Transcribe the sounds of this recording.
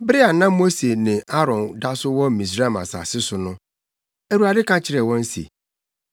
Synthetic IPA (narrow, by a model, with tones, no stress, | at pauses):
bɾɪ˦a˨nã˦mo˦se˨nɪ̃˨ʔa˦ɾɔ̃˨nda˦sʊ˦wɔ̃˦˨mĩ˨s̬ɾa˦˨ma̰˨sa̰˨sɪ˦sʊ˨nʊ̃˦ | æ˨ɾu˨a˨dɪ˦kʰã˦t͡ɕʰɪ˨ɾɛ˨wɔ̃˦n̩˦sḛ˨